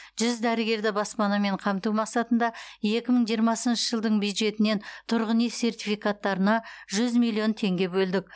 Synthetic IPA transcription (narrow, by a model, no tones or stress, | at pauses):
ʒ̥ʏzd̪æɾɪɡʲe̞ɾd̪ɪbɑspɑnɑme̞ɴqʰɑmt̪umɑqsɑt̪ənd̪ɑje̞kʲɪməɴʒijəɾmɑsənʃəʒəlˠd̪əɴbjujd̪ʒe̞t̪ɪne̞nt̪ʰʊɾʁənise̞rt̪ʲifijkat̪ːɑɾənɑʒʏzmijlʲːijo̞nt̪ʰe̞ŋɡʲe̞bɵld̪ɪk̚ʲ